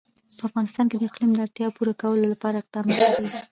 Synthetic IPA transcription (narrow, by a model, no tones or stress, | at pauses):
pəafɣɑnɪst̪ɑnked̪əɪqlimd̪əaɾt̪jɑpuɾakawəlolapɑɾaɪq̚d̪̥ɑmkakiɡi